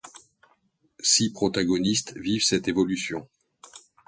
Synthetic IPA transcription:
sipχɔt̪aɡɔnist̪vivsɛt̪evɔlysjɔ̃

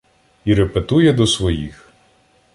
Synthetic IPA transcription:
iɾɛpet̪ujɛd̪ɔsʋɔjḭx

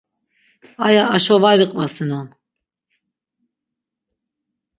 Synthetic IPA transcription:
ajaːʃɔvaɾiqʼvasinan

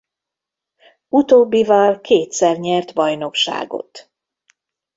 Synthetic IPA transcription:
ut̪oːbːivɒlkʰeːt̪sɛrɲɛrt̪bɒjno̞kʃa̰ːɡo̰t̪

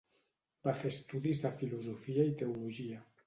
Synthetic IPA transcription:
b̥afest̪uðizðafiluzofiait̪euluʒia

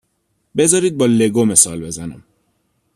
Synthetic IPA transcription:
be̞zɒːɾiːd̪̚bɒːle̞ɡome̞sɒːlbe̞zænæm

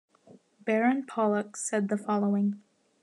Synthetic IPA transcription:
b̥ɛɹɨ̃npʰɑlˠəksɛd̪̚ðəfɑlˠoʊɪ̃ŋ

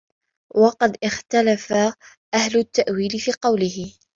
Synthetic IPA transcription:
wɑqɑd̪ʔɪxt̪alafa | ʔahlʊt̪ːaʔwiːlɪfiːqɑwlɪhɪ

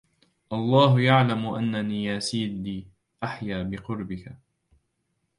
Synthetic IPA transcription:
ʔɑlˤːɑːɦʊjaʕlamʊʔa̰nːaniːjaːsiːd̪liː | ʔaħjaːbɪqʊɾbɪka

